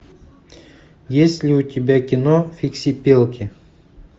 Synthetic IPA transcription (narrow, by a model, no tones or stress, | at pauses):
jesʲlʲɪʊt̪ʲɪbʲækʲɪnofʲiksʲipʲelˠkʲɪ